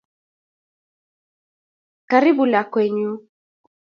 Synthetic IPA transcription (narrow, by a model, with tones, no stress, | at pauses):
ka˨ɾi˦bu˨la˨kwɛ˨ɲu˦